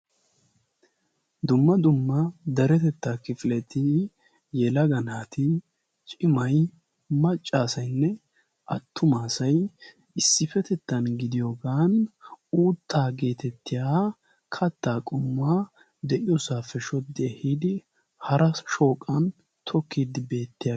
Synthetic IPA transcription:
d̪ʊmːɐd̪ʊmːɐd̪ɐɾɛt̪ɛt̪ːaːkɪfɪlɛt̪ɪ | jɛlɐɡɐnaːt̪ɪ | t͡ʃʼɪmɐj | mɐt͡ʃʼːaːsɐjnːɛ | ʔɐt̪ʰːʊmaːsɐj | ɪsːɪfɛt̪ɛt̪ːɐnɡɪd̪ɪjoːɡaːnuːt̪ʰːaːɡe̞ːt̪ɛt̪ːɪjaː | kʰɐt̪ːaːkʼʊmːaː | d̪ɛʔɪjɔsaːfɛʃɔd̪ɪɛhiːd̪ɪ | hɐɾɐʃo̞ːkʼːɐn | t̪ʰɔkːiːd̪ɪbe̞ːt̪ːɪja

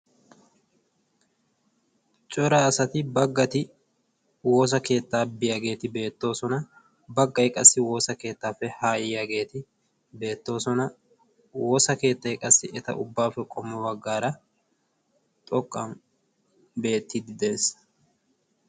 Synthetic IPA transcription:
t͡ʃʼɔɾaːɐsɐt̪ɪbɐɡːɐt̪ɪ | wo̞ːs̬ɐke̞ːt̪ːaːbɪjaɡe̞ːt̪ɪbe̞ːt̪ːo̞ːsɔnɐ | bɐɡːɐjkʼɐsːɪwo̞ːsɐke̞ːt̪ːaːfːɛhaːjɪjaɡe̞ːt̪ɪ | be̞ːt̪ːo̞ːsɔnɐ | woːsɐke̞ːt̪ːɐjkʼɐsːɪʔɛt̪ɐ̰ʔʊbːaːfːɛkʼɔmːɔbɐɡːaːɾɐ | t̪ʼɔkʼːɐn | be̞ːt̪ːɪd̪ɪd̪e̞ːs

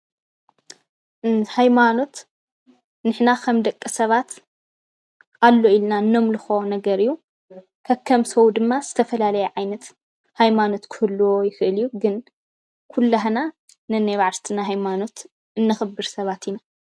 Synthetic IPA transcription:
hajmano̞t̪ | nɨħnakʰɐmd̪ɐkʼːɨsɐβat̪ | alːo̞ilnaɨnːo̞mlɨxonɐɡɐɾijːu | kʰɐkʰːɐmsɐwd̪ɨmːaz̥ɨt̪ʰɐfɐlalɐjɛʕajnɐt̪ | hajmano̞t̪kʰɨhɨlːuojɪxɨʔɨljːuɡɨn | kʰulːaɦana | nɨnajβaʕlt̪ʰɨnaɦajmano̞t̪ | ɨnːɐxɨbɨɾsɐβat̪ʰina

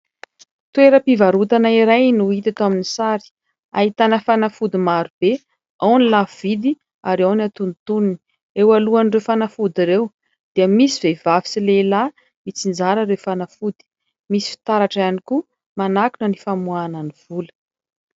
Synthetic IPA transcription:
t̪ueɾəpivaɾut̪anaiɾajnuit̪at̪aminisaɾi̥ | a̰it̪anəfanafud̪imaɾub̥e | awnilav̥id̪i | aɾawniat̪unit̪unini | ewaluanirewfanafud̪iɾew | d̪̥iəmisivevavi̥silela | mit͡sind͡zaɾəɾewfanafud̪̥i̥ | misi̥fi̥t̪aɾaʈ͡ʂaniku | manakunənifamuananiv̥ulə̥

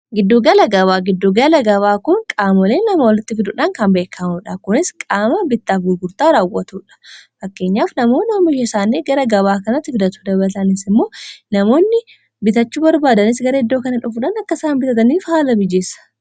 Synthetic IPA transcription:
ɡɪd̪ːoɡɐlɐɡɐβaːɡɪd̪ːʊɡɐlɐɡɐβaːkʊŋkʼaːmɔleːnːɐmɐwɔlɪt̪ːɪfɪd̪ʊᶑaŋkɐmbe̞ːkʰːɐmʊᶑɐkʊnɪskʼaːmɐbɪt̪ːaːfɡʊɾɡʊɾt̪aːɾaːwːɐt̪uːᶑɐ̥fɐkːe̞ːɲːaːfnɐmo̞ːnɐɐmːɪʃɐsaːnːeːɡɐɾɐɡɐβaːkɐnɐt̪ːɪfɪd̪ɐt̪uːd̪ɐbɐlɐt̪ɐnɪsɪmːo̞ːnɐmo̞ːnːɪ | bɪt̪ɐt͡ʃːuːbɐɾbaːd̪ɐnɪsɡɐɾɐɪd̪ːo̞ːkɐnɐᶑʊfʊᶑaːnɐkːɐsaːmbɪt̪ɐt̪ɐniːfhaːlɐbɪd͡ʒeːsɐ̥

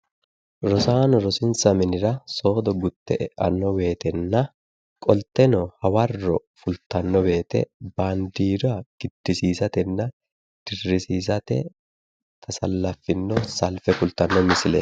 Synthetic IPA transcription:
ɾɔsaːnɔɾɔsɪnsɐmɪnɪɾɐso̞ːd̪ɔɡʊt̪ːɛʔɛʔɐnːɔbe̞ːt̪ɛnːɐ | kʼɔlt̪ːɛnɔhɐwɐrːɔfʊlt̪ːɐnːɔbe̞ːt̪ɛ̰bɐnd̪iːɾɔɐɡ̥ɪd̪̥ːɪsiːsɐt̪ɛnːɐ | d̪̥ɪrːɪsiːsɐt̪ɛ̰ | t̪ʰɐsɐlːɐfːɪnːɔsɐlfɛkʊlt̪ːɐnːɔmɪsɪlɛ

